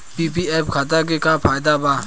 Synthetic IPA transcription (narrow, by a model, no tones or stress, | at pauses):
piːp̬iːɛːpkʰaːt̪ak̬ekaːpʰaːjd̪aːbaː